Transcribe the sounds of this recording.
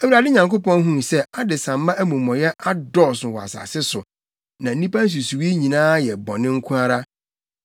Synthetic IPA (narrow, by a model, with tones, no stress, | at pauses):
æ˨wu˨ɾa˨dɪ˦ɲã˨ŋko˦pɔ̃˦n˦ɦũ˦˨sɛ˦a˦dɪ˨sã˨mː˦ã˦ʔæ˦mũ˨mɔ̃˨jɛ˦ʔa˦dɔ˦˨sʊ˨wɔ˨a̰˨sa̰˨sɪ˦sʊ˨ | nã˨n̩˦nĩ˦pã˦n̩˦s̬u˨su˨wi˦ɲĩ˨nãː˦jɛ˨bɔ˨nɪ̃˦ŋ̩˦kʰũ˦a˦ɾa˦